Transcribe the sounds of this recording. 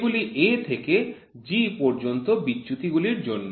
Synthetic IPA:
ɡuliʔet̪ʰeke | d͡ʑipɔɾd͡ʑont̪obitːɕut̪iɡuliɾd͡ʑonːo

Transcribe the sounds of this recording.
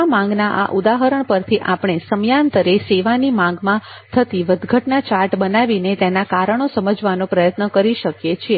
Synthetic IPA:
amãŋɡnaʔa̰ʔud̪aɦəɾəɳpəɾt̪ʰiʔapɳ̃esəmjant̪əɾeseʋanimãŋɡmã | t̪ʰət̪iʋəd̪ɡʱəʈnat͡ʃaɾʈbənaʋinet̪enakaɾəɳ̃osəməd͡ʒʋanõpɾəjət̪nəkəɾiʃəkjet͡ʃʰie

